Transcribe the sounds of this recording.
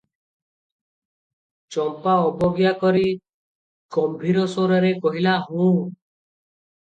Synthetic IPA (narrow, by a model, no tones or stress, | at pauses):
t͡ʃɔmpaɔbɔɡjakɔɾi | ɡɔmbʱiɾɔsoɾɔɾekɔɦilaɦũ